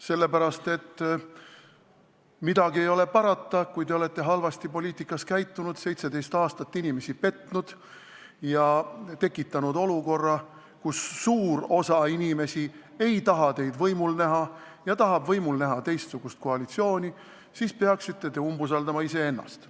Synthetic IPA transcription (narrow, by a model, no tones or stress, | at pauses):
se̞lːe̞pæɾɑst̪e̞t̪ː | mid̪ɑɡie̞jo̞le̞pɑɾɑt̪ːɑkujt̪e̞o̞le̞t̪ːe̞ɦɑlvɑst̪ipo̞lʲiːt̪ˑikːˑɑskæjt̪ːunud̪̥se̞jt̪se̞d̪e̞jst̪ɑːst̪ɑt̪ːinime̞sipe̞t̪nud̪̥ | jɑt̪e̞kːˑit̪ːˑɑnud̪o̞luko̞rːɑ | kusːuːɾo̞sɑinʲime̞sie̞jt̪ɑɦɑt̪e̞jd̪vɤjmulnæɦɑ | jɑt̪ɑɦɑbvɤjmulnæɦɑt̪e̞jst̪suɡ̥ust̪̚ko̞ɑlit̪sio̞ːnʲi | siːspeɑksit̪ːe̞t̪e̞umbus̬ɑld̪ɑmɑise̞e̞nːɑ̰st̪